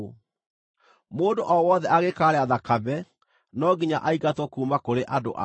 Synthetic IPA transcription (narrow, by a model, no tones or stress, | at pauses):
moːndoʔɔwɔðɛʔaɣekaːɾeaðakaβɛ | nɔɡiɲaʔaiɣatwɔkuːmakoɾeʔado̰ʔa̰